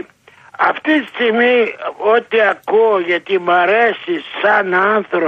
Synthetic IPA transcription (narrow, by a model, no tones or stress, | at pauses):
ɐft̪it̪ist̪iɣmiot̪iɐkuoʝɐt̪imɐɾesisɐnɐnθɾo